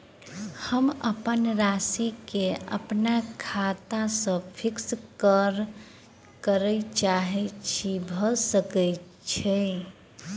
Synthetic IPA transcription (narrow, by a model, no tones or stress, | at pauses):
həməpənɾasikeə̰pnakʰat̪asə̃pʰikskəɾ | kəɾəjt͡ʃaɦɛt͡ʃʰibʱəsəkə | t͡ʃʰɛ